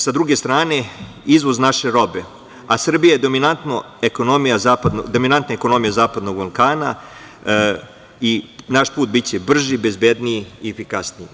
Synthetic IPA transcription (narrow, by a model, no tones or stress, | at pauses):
sad̪ɾuɡe̞st̪ɾaːne̞ | izʋoznaʃe̞ɾo̞be | asr̩bijajed̪o̞minant̪no̞ | eko̞no̞mijazaːpad̪nod̪ominant̪naeko̞no̞mijazaːpad̪no̞ɡbalˠkaːna | inaʃpuːt̪̚bit͡ɕe̞br̩ʒibe̞zbe̞d̪niiiefikasnii